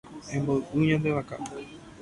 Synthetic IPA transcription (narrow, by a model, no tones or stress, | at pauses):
ẽmboɨʔɨɲãnd̪eʋaka̰